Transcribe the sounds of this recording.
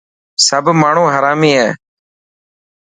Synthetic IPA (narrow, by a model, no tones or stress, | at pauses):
səbʱmaːɳ̤ũːɦəɾaːmiːɦɛː